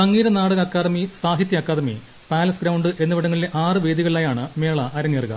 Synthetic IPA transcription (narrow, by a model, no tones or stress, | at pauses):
ɐŋːiːɾɐnaːɽɐɣɐkːaːðɐmisaːɦit̪jɐɐkːaːðɐmḭ | paːlɐsɡɾɐwɳɖɨʔe̞nːɐʋiɽɐŋːɐɭileʔaːrɨʋeːd̪iɣɐɭilaːjaːɳɨmeːɭɐʔɐɾɐŋːeːrɣɐ̰